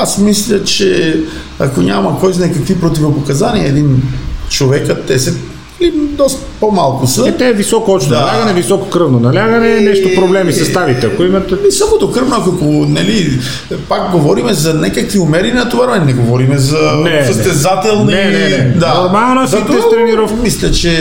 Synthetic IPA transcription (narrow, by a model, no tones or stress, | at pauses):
asmislʲɐt͡ʃɛ | ɐkoɲʲamɐkɔjznajkɐkvipɾot̪̬ivopokɐzaniɐɛd̪int͡ʃovɛkət̪ːɛsɛ | nɛlid̪ɔst̪ | pomalˠkʊsɐɛt̪ɛːvisɔkoɔpʃt̪d̪nɐlʲaɡɐnɛvisɔko̥kɾɤvnonɐlʲaɡɐnɛnɛʃt̪opɾoblɛmisɐst̪aɾit̪ɛɐkoimɐt̪ɛɛsamod̪okɾəvnoɐkokonɛli | pakɡovɔɾimɛzɐnɛkɐkviomɛɾinɐt̪ovaɾmɛnnɛɡovɔɾimɛzɐɛəst̪ɛzat̪ɛlˠnd̪anoɾmalˠnozit̪ɛst̪ɾɛniɾɔfmislʲɛt͡ʃɛ